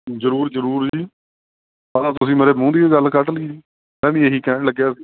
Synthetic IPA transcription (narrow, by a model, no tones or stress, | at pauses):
zəɾuːɾzəɾuːɾd͡ʒiː | alãːt̪ʊsĩːmeːɾeːmũːd̪iːoːɡəlkəʈəlɡiː | mɛ̃ːʋĩːeɦiːkɛ̃ːɳləɡjaːsiː